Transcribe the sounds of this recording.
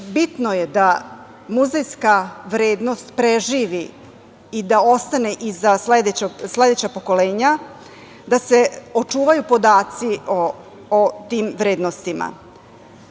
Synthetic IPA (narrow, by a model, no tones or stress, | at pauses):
bit̪nojed̪a | muzejskaʋɾeːd̪no̞st̪pɾeʒiːʋi | id̪ao̞st̪aneʔizasled̪et͡ɕoɡsle̞d̪e̞t͡ɕapo̞ko̞leːɲa | d̪aseot͡ʂuːʋajupo̞d̪aːt̪sio | ot̪iːmʋɾeːd̪no̞st̪ima̰